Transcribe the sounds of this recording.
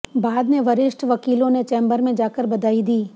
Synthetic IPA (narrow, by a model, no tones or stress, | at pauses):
baːd̪neʋɐɾɪʃʈʰʋɐkiːlõnet͡ʃɛ̃ːmbəɾmẽd͡ʒaːkəɾbɐd̪aːid̪iː